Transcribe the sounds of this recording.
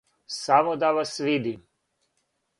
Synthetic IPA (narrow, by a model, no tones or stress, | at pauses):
samod̪aʋasʋid̪im